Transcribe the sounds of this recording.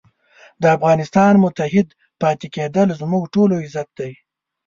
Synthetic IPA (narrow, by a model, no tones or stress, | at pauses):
d̪əafɣɑnɪst̪ɑnmʊt̪aɦɪd̪ | pɑt̪eked̪əlzmʊɡʈoloɪzat̪̚d̪aj